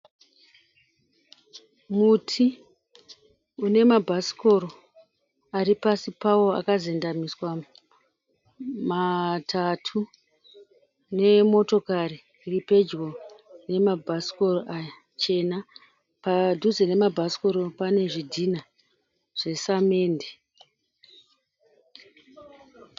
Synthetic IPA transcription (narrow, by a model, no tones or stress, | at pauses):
mutʰi | une̞mabʱasi̥ko̞ɾo | aɾipasipawo̞a̰kazendamiswa | matʰatʰu | ne̞mo̞to̞kari | ripe̞d͡ʒɣo̞ne̞mabʱasi̥ko̞roʔaja | t͡ʃe̞na | padʱuzene̞mabʱasi̥ko̞ɾo̞pane̞ʐidʱina | ʐ̥e̞same̞ːnde